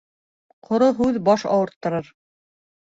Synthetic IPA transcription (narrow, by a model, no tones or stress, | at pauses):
qʰŏɾoɦʉðbɑʃɑ̰wɤ̆ɾt̪ːɤ̆ɾɤɾ